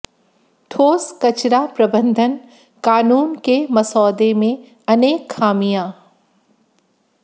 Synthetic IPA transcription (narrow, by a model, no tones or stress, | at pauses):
t̪ʰoːskɐt͡ʃɾapɾɐbə̃nd̪ʱən | kaːnuːnkemɐsɔːd̪emẽ | ɐneːkxaːmijãː